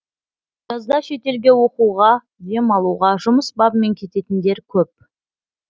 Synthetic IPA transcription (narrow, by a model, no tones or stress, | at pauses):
ʒ̥ɑzd̪ɑʃe̞t̪e̞lɡʲe̞wo̞quʁɑ | ʒemɑlˠuʁɑʒʊməsbɑbme̞ŋkʲʰe̞t̪e̞t̪ɪnd̪e̞ɾkʲʰɵp̚